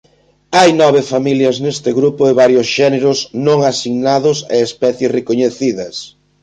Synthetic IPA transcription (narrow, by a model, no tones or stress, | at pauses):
ajnɔβ̞ɪfamiljɐznest̪ɪɣɾupʊɪβaɾjʊsʃɛneɾʊsnõŋasiɣnaðʊsḛespɛθjesrekoɲeθiðɐs